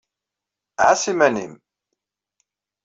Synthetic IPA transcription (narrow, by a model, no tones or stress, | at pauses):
ʕasimænḭm